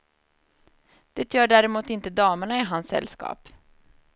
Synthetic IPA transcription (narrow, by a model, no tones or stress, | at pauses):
d̪̥ɛt̪ʰjœːɖæːɾɛmuːt̪ɪnt̪əd̪ɑːməɳaɪɦansːɛ̰lskɑ̰ːp